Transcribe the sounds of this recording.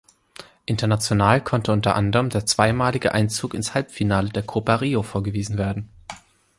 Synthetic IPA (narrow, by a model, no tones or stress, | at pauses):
ʔɪntɐnat͡sjonaːlkʰɔntəʊntɐ̰ʔandəʁəmdeːɐt͡sv̥aɪmaːlɪɡəʔaɪnt͡suːkɪnshalpfinaːlədeːɐkʰopaʁiːofoːɐɡəviːzn̩veːɐdn̩